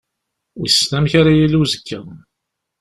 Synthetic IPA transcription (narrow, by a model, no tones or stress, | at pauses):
wisːnæmçaɾajiluzəkːæ